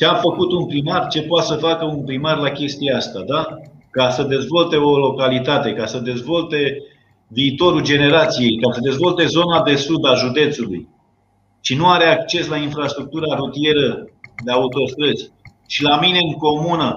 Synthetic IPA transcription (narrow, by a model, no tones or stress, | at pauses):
t͡ʃeamfəkut̪unpɾimart͡ʃe̞poat̪səfakəunpɾimarlakʲe̞st̪ijeast̪ad̪akasəd̪e̞zvo̞lt̪e̞o̞lo̞kalit̪at̪e̞kasəd̪e̞zvo̞lt̪e̞ | viːt̪o̞ɾud͡ʒe̞ne̞ɾat̪sije̞jkasəd̪e̞zvo̞lt̪e̞zo̞nad̪e̞sud̪aʒud̪e̞t̪suluj | t͡ʃinuaɾe̞akt͡ʃe̞slainfɾast̪ɾuk̚t̪uɾaɾut̪ie̞ɾəd̪eaut̪o̞st̪ɾəsʲ | ʃilamine̞ɨŋko̞munə